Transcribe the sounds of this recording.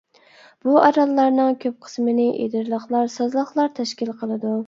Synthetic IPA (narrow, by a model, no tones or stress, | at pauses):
b̥uɑɾɑlˠːɑɾnɨŋkʲʰøp̚qʰə̥smɪnɪʔḛd̪ɪɾlˠəχlˠɑɾsɑzlˠəχlˠɑɾt̪ʰɛʃkʲilˠqʰəlˠɨd̪u